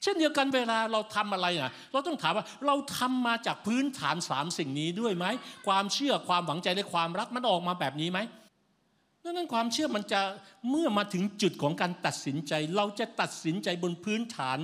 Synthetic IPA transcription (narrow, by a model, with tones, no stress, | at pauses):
t͡ɕʰe˥˩ndi˧ə˧wka˧nweː˧laː˧ɾa˧wt̪ʰa˧mʔa˧ɾa˧jʔa˨˩ | ɾa˧wt̪ɔ˥˩ŋt̪ʰaː˨˦mwaː˥˩ɾa˧wt̪ʰa˧mːaː˧t͡ɕaː˨˩k̚pʰɯː˦˥nt̪ʰaː˩˦nsaː˩˦msi˨˩ŋniː˦˥du˥˩əjma˦˥jkʰwaː˧mt͡ɕʰɯ˥˩ɐkʰwaː˧mwa˩˦ŋt͡ɕa˧jdaː˥˩jkʰwaː˧mɾa˦˥k̚ma˧nʔɔː˨˩k̚maː˧bɛː˨˩p̬̚niː˦˥ma˦˥j | dɯː˥˨na˥˩nkʰwaː˧mt͡ɕʰɯ˥˩ɐma˧nt͡ɕa˨˩mɯ˥˩ɐmaː˧t̪ʰɯ˩˦ŋt͡ɕu˨˩t̪̚kʰɔː˩˦ŋkaː˧nt̪a˨˩t̪̚si˩˦nt͡ɕa˧jɾa˧wt͡ɕa˨˩t̪a˨˩t̪̚si˩˦nt͡ɕa˧jbo˧npʰɯː˦˥nt̪ʰaː˩˦n